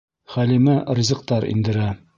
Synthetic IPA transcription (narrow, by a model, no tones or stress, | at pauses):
χælimærizʲɤ̆q̚t̪ɑɾḭnd̪ɘ̆ɾæ